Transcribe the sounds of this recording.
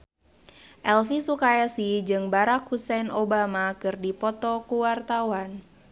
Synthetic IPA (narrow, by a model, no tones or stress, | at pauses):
ʔɛlfisukajasid͡ʒɨŋbaɾakhusɛnobamakɨrdipɔt̪ɔkuwart̪awan